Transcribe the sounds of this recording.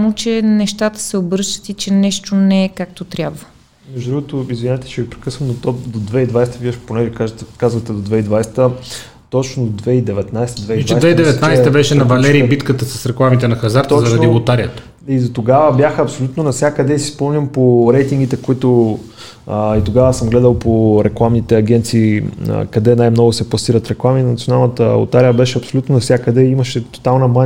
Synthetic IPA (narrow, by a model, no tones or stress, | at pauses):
amot͡ʃɛnɛʃt̪at̪ə̥sɛobəɾʃt̪ə̥t̪it͡ʃɛnɛʃt̪onɛɛkak̚t̪ot̪ɾʲjabvə | mɛʒd̪ud̪ɾuɡot̪oizvinɛt̪ɛ̥t͡ʃɛɡipɾɛkɤsvɐmd̪ɐt̪ɔpd̪od̪vɛid̪vajst̪əviɐʃponɛʒɛkakazvɐt̪ɛd̪od̪vɛid̪vajsɛ̥t̪ə | t̪ɔt͡ʃnod̪vɛid̪ɛvɛt̪najst̪əd̪vɛiɛdvt͡ʃɛjd̪vɛid̪ɛvɛt̪najsɛt̪ɐbɛʃɛnɐvɐlɛɾiːbit̪kət̪əsɐsɾɛklˠamit̪ɛnɐxɐzaɾt̪ɔzɐɾɐdnibot̪aɾiət̪ə | id̪ot̪oɡavəbʲjaxəɐpsolʲut̪nonɐfsʲjakəd̪ɛisispɔmnʲəmpoɾɛjt̪iŋɡ̟it̪ɛkoit̪o | it̪oɡavəsəmɡlɛd̪əlˠpoɾɛklˠamnit̪ɛɐɡʲɛnt̪sḭːkɐd̪ɛnajmnɔɡʊsɛplˠɐsiɾɐt̪ɾɛklˠaminnt̪ijonalˠnət̪ə̰o̰t̪aɾijəbɛʃɛɐpsolut̪nonɐfsʲakəd̪ɛimɐʃɛt̪o̥t̪alˠnɐma